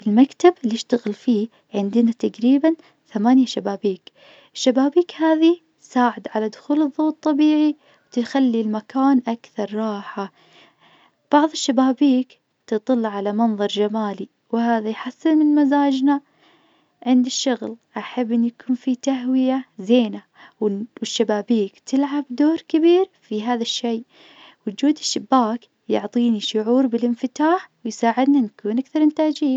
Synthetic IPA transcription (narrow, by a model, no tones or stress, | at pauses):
ɪlmakt̪abʔlːɪʃt̪aɣɪlfiː | ʕɪnd̪ɪnat̪aqɾiːban | θamaːnjaʃabaːbiːk | ʔɪʃːabaːbiːkhaːði | saːʕɪd̪ʕalad̪ʊxuːlɨðˤːoːt̪ˤːɑbiːʕi | wt̪ɪxalːilmakaːnʔakθɑɾˤɾˤɑːħa | b̥ɑʕðˤɪʃːabaːbiːk | t̪ɨt̪ˤɨlːʕalamɑnðˤɑɾˤd͡ʒamaːli | whaːðajħasːɪlmɪnmazaːd͡ʒna | ʕɪnd̪ɪʃːʊɣlʔaħabːʔɪnːujakʰuːnfit̪aɦwɪjazeːna | wwɪʃːabaːbiːkt̪ʰɪlʕabd̪oːɾkɪbiːɾfiɦaːðaʃːej | wʊd͡ʒuːd̪ɪʃːɪbːaːk | jʊʕt̪ˤiːniʃʊʕuːɾbɪlʔɪnfɪt̪aːħwɪjsaːʕɪd̪nanakuːnʔakθɑɾˤʔɪnt̪aːd͡ʒiː